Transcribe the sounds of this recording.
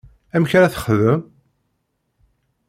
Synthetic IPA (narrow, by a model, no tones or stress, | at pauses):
æmçɾæθə̥χðəm